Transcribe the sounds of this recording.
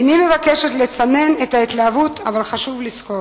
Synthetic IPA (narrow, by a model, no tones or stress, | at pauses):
nime̞vakeʃetlet͡sane̞netait̪laːvuta̰valχaʃuvlisko